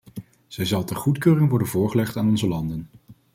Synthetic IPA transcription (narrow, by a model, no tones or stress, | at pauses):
z̥ɛjzɑlˠtɛrχutkøːrɪŋʋɔɹdənvʊːɹχəlɛχtaːnɔnzəlɑndən